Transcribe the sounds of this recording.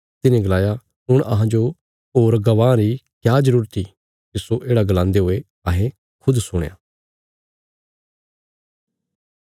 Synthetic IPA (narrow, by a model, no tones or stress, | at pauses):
t̪ɪnẽɡɐlaːja | ɦʊɽ̃ɐ̰ɦãd͡ʒo | ɦoːɾɡɐʋãːɾikjaːzəɾuːɾt̪i | kisoʔeːɽaɡɐlãːnd̪eɦoːe | ɐɦẽ | kʰʊd̪sʊɽ̰̃ja̰ː